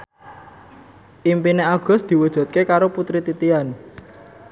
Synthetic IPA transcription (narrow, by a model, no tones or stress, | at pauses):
ʔimpineaɡ̥ɔ̤sd̪̥i̤wud̥ʒ̥ṳt̪̚kekaɾoput̪ɾit̪it̪ian